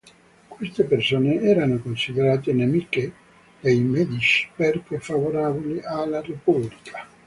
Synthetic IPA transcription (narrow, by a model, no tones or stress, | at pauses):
kwest̪epersoːneɛːɾanokonsid̪eɾaːt̪̬enemike | d̪̥ejmɛd̪it͡ʃi̥perkefavoɾavoliʔalːarepublikʰḁ